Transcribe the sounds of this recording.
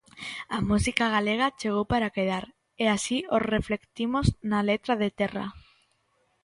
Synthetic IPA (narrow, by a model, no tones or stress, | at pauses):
amusikaɣ̞aleɣ̞at͡ʃeɣ̞owpaɾakeðaɾ | easiosreflekt̪imoznalet̪ɾaðet̪ɛra̰